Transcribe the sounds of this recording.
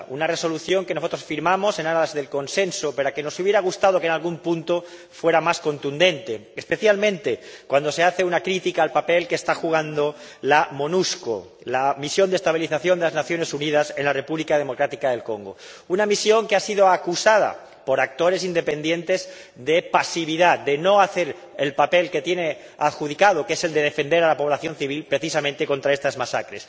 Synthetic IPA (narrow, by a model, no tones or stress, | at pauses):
ṵnare̞so̞luθjo̞ŋkenosot̪ɾo̞sfiɾmamo̞se̞naɾaðezðe̞lko̞nsẽ̞nsope̞ɾake̞no̞suβje̞ɾaɣ̞ust̪að̞o̞kenalɣumpunt̪o | fwe̞ɾamasko̞nt̪und̪ẽ̞nt̪eːspe̞θjalmẽnt̪e̞kwand̪o̞se̞aθe̞unakɾit̪ikaːlpape̞lkest̪axuɣ̞and̪o̞lamonusko̰ | lamisjo̞nd̪est̪aβ̞iliθaθjond̪elaznaθjo̞ne̞suniðase̞nlare̞puβlikað̞e̞mo̞kɾat̪ikaðe̞lko̞ŋɡo̞̰unamisjo̞ŋkeasið̞o̞akusað̞a̰ | po̞ɾak̚t̪o̞ɾe̞sind̪e̞pe̞nd̪je̞nt̪e̞z | ðe̞pasiβ̞iðad̪e̞no̞aθe̞ɾ | elpape̞lke̞t̪je̞ne̞ | aðxuð̞ikað̞o̞keese̞ld̪e̞ð̞e̞fe̞nd̪e̞ɾalapo̞β̞laθjo̞nθiβilpɾe̞θisamẽnt̪e̞ko̞nt̪ɾaest̪azmasakɾe̞̰s